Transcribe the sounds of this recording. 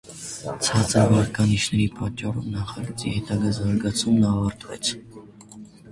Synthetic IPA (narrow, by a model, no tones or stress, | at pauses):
t͡sʰɑt͡səɾvɑɾkɑniʃnɛɾipɑt͡ʃːɑrɔvnɑχɑɡət͡sʼḭhɛt̪ɑɡɑzɑɾɡɑt͡sʰumnɑvɑɾt̪vɛ̰t͡sʰ